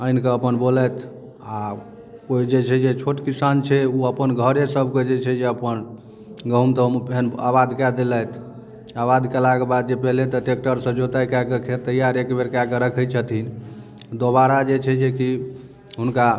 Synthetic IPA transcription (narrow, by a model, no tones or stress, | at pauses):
ənkeəpənbolət̪ | a | koid͡ʒet͡ʃʰɛd͡ʒet͡ʃʰoʈkisant͡ʃʰɛuəpənɡʱəɾesəbʱked͡ʒet͡ʃʰɛd͡ʒeəpən | ɡəɦumt̪əmpena̰βad̪kɛd̪elət̪ʰ | abad̪kɛlakebad̪̚d͡ʒepɛɦlet̪əʈekʈəɾsə̃d͡ʒot̪ajkakəkʰet̪əjaɾekbeɾkakeɾəkʰət͡ʃʰət̪in | d̪obaɾad͡ʒet͡ʃʰɛd͡ʒeki | ɦunka